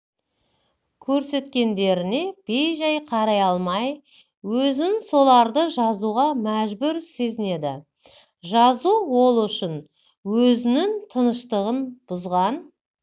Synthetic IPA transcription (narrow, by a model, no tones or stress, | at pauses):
kʲʰɵɾse̞t̪kʲe̞nd̪e̞ɾɪne̞b̥e̞jʒɑjqʰɑɾɑjɑlˠmɑj | wɵzɪnso̞lˠɑɾd̪əʒɑzuʁɑmæʒbʏɾse̞zɪne̞d̪ɪ | ʒɑzuwo̞lˠʏʃɪn | wɵzɪnɪŋt̪ʰənəʃt̪əʁənb̥ʊzʁɑn